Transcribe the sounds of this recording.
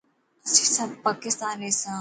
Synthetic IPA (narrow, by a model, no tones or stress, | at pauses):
ɐsisɐbpaːkɪst̪aːnesãː